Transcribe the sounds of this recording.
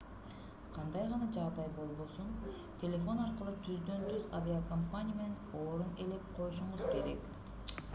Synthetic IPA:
qʰɑnd̪ɑjʁɑnɑd͡ʒɑʁd̪ɑjbo̞lˠbo̞sun | t̪ʲʰe̞lʲe̞fo̞nɑɾqɯlˠɯt̪ʰyzd̪ø̞nt̪yzavʲiakampanʲɪijameneno̞ːɾune̞le̞p̚qʰo̞juʃ̬uɴuzke̞ɾe̞̰k

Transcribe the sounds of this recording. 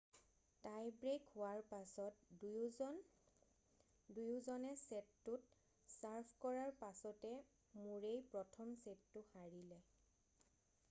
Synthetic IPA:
tajbɹekhʊwaɹpasɔt̚ | n | dujʊzɔnɛsɛtːʊt | saɹpʰkɔɹaɹpasɔtɛ | muɹejpɹɔtʰɔmsetːʊxaɹilɛ

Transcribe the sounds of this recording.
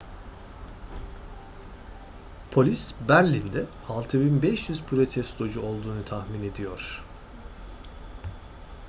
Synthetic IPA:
pʰo̞lʲisbæɾlʲind̪ɛ | alˠt̪ʰɯbinbɛʃjyzpʰɾo̞t̪ʰɛst̪ʰo̞d͡ʒuo̞lˠd̪uːnut̪ʰahmine̞d̪ijo̞ɾ̥

